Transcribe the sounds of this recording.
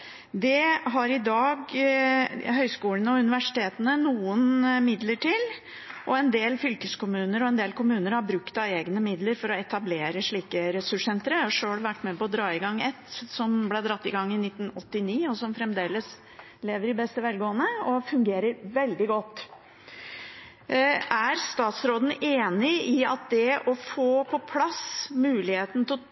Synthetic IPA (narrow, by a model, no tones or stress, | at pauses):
d̪ɛɦɑɾɪd̪ɑːɡ | ɦœʏskuːlənəɔʉnɪʋæʂɪ̥t̪ʰeːt̪ənənuːənmɪd̪ləʈʰɪl | ʔɔɛnd̪eːlfʏlkəskʊmʉːnəɾɔɛnd̪eːlkʰʊmʉːnəɾhɑɾbɾʉkt̪ɑʋeːɡnəmɪd̪ləɾfɔɾɔɛt̪ɑbleːɾəʂɭiːkəɾɛsʉʂsɛnt̪əɾəɔʂøːɽʋæʈːmɛpɔːd̪ɾɑːɪɡɑŋːɛt̪sɔmblɛd̪ɾɑt̪ːɪɡɑŋːɪnɪt̪ːn̩ɔt̪ːɪniːɔsɔmfɾɛmd̪eːləs | leːʋəɾɪbɛst̪əʋɛlɡoːənəɔfʉŋɡeːɾəɾʋɛld̪ɪɡɔt̪ː | æɾst̪ɑːt̪sɾoːd̪n̩eːnɪɪɑ̰t̪̚d̪ɛʔɔfoːpʰɔpʰlɑsmʉːlɪheːt̪n̩t̪ʰɪ